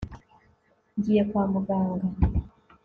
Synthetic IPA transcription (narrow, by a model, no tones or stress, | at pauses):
nd͡ʒiɛkwamuɡaŋɡa